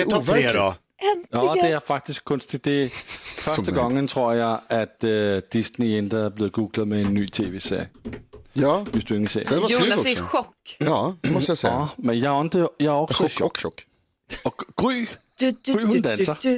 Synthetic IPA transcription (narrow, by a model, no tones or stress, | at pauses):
ed | jɒd̥eæɐfɑ̈ɡ̥̚d̥isɡ̥̚kʰɔnsd̥id̥e̝fɶɐd̥əɡ̥ɑŋ̰ːənt͡sʰʁo̝ɐ̰jɑ̈ɪæd̥ːisniend̥ɐæɐb̥le̝ːð̩ˠɡ̥uːɡ̥ləð̩ˠmeenːy̰ːt͡sʰe̝̰ːʋḛːsḛɐ̰ji | ʋesd̥ue̝ŋəsḛɐ̰ | ɔkː | smenjɑɪɔnd̥əjɑæɒ̽ɡ̥sɔɕ | ɒɡ̥ʁy̰ːɡʁy̰ːhund̥ænsɐ